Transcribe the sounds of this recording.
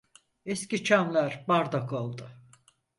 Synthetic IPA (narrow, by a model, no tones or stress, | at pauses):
ɛscit͡ʃʰamlˠaɾbaɾd̪akʰolˠd̪ʊ